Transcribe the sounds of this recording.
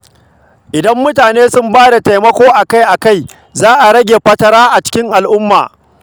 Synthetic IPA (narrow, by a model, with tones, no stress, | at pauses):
ʔɪ˨dɐ˦mːʊ˦taː˨neː˦sʊ˦mbaː˦da˨ta˨jmɐ˦kʷoː˦ʔa˨ka˦jʔa˨ka˦˨j | zaː˦ʔa˨ɾɐ˦ɡʲeː˨ɸɐ˦tɐ˦ɾaː˦ʔa˨t͡ʃɪ̥˦kʲɪ˦ŋʔa˨lʔʊ˦mːa̰ː˨